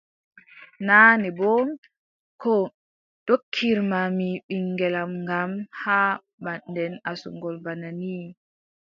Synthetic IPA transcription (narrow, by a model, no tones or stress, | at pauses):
naːnɛbɔ | kɔ | d̥okʰːiɾmamiɓiŋːɡɛlamŋɡamha | bandɛnasṵŋɡɔlbanani